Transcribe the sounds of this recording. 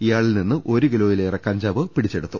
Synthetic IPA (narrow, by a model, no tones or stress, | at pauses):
ijaːɭilninːɨʔo̞ɾuɡilo̞ːjilejrekɐɲd͡ʑaːʋɨpiɽit͡ɕːeɽut̪ːu